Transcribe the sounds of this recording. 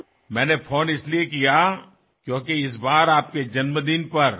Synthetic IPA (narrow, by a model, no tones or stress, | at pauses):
mɛ̃ːnefʰoːnɪsliekija | kjõːkeɪs̬baːɾaːp̚ked͡ʒɐnməd̪ɪnpɐɾ